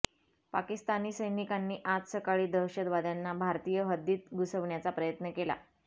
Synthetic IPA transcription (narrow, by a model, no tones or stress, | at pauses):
pa̰kist̪aniːsəjnikanːiːʔat̪səkaɭiːd̪əwɕəd̪ʋad̪janːabʱaɾt̪ijəɦəd̪iːt̪̚ɡusəʋɳjat͡sapɾəjət̪nəkela̰